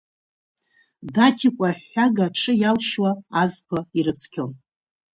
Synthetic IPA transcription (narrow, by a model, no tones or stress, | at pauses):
datʲʰikʷʼaħaɡaʈ͡ʂʰɨjalʃwaːzpʰaiɾɨt͡sʰkʲʰɪn